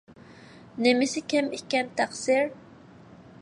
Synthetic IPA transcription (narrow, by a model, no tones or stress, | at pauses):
nemɪsɪkʲʰɛmikʲɛnt̪ʰæqsiɾ